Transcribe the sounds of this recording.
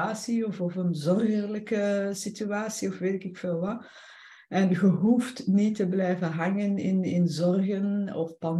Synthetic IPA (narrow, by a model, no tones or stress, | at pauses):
aːsiɔfɔfənzɔrɣərləkəsityaːsiɔfʋeːtɪkɪkfeːlˠʋɑ | ɛnɣəɦuftnitəblɛjvənɦɑŋənɪ̰nɪnzɔrɣənɔfpɑn